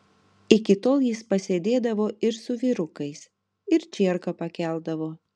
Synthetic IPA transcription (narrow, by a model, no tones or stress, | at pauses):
ɪkʲɪt̪oːlˠjɪspɐsʲeːd̪ʲeːd̪ɐʋoːɪɾsʊʋʲiːɾʊkɐɪs | ɪɾt͡ʃʲiɛɾkɐpɐkʲæˑlˠd̪ɐʋoː